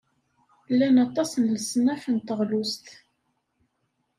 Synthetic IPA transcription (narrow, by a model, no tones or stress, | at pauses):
lːænɑt̪ˤɑsənləsnæħənt̪əʁlust̪